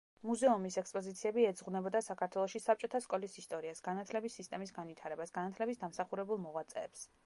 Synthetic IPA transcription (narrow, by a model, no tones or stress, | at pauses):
muzɛumisɛkspʼɔzit̪sʰiɛbiɛd̪zʁunɛbɔd̪asakʰaɾt̪ʰwɛlˠɔʃisap̚t͡ʃʼɔt̪ʰaskʼɔlisist̪ʼɔɾiasɡ̥anat̪ʰlɛbisːist̪ʼɛmisɡanvit̪ʰaɾɛbasɡ̥anat̪ʰlɛbisd̪amsaχuɾɛbulˠmɔʁwat̪sʼɛ̰ːps